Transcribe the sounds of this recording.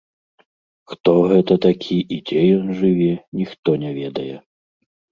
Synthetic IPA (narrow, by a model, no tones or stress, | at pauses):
xt̪ɔɣɛt̪ɐt̪akʲʰiʔid͡zʲɛjɔnʐɨvʲɛnʲixt̪ɔnʲɛvʲɛd̪ɐjɛ